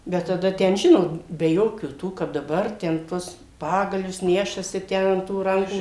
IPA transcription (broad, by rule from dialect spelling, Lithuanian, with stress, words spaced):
bʲɛt tɐˈdɐ ˈtʲɛn ˈʒʲɪnoːt bʲɛ ˈjoːkʲuː tuː kɐp dɐˈbɐr tʲɛn ˈtuɔs ˈpɑːɡɐlʲʊs ˈnʲæːʃɐsʲɪ ˈtʲæː ɐn tuː ˈrɐŋkuː